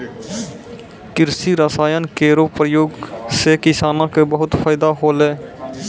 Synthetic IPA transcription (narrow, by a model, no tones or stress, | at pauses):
kɪɾsiɾəsaːjənkeːɾopɾəjoːɡsekɪsaːnãkebəɦʊt̪fʰaːɪd̪aɦoːleː